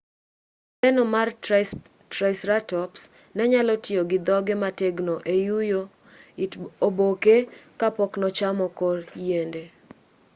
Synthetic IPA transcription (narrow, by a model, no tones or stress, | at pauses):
ɛnɔmar | tɾaɪsɾatɔps | nɛɲalɔtɪoɡɪd̪ɔɡɪmateɡnoʔejujo | iobokekapɔknɔt͡ʃamɔkɔrjende